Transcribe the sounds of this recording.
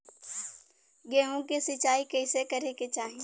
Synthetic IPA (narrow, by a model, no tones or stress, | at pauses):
ɡɛːɦõkesɪt͡ʃaːikɐɪsekɐɾeket͡ʃaːɦi